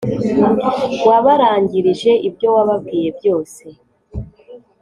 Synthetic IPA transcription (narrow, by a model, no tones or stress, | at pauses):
waβaɾaːɲɟiɾiʒe̞ʔibjo̞waβabɡiːje̞bjo̞ːse̞